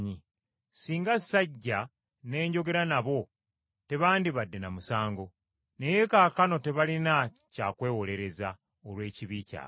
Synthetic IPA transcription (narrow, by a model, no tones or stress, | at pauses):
ɲi | siːŋɡasaɟːa | ne̞ːɲɟo̞ɡe̞ɾanaβo̞ | te̞βaːndiβadːenamusaːŋɡo̞ | ne̞je̞kaːkano̞te̞βalina | caːkwe̞ːwo̞le̞ɾe̞za | olwe̞ːciβica̰ː